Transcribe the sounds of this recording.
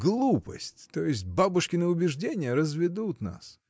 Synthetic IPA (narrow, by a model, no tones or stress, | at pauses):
ɡlˠupə̰sʲtʲt̪ojɪsʲt̚ʲbabʊʂkʲɪnəʊbʲɪʐdʲenʲɪjəɾəzvʲɪd̪ut̪na̰s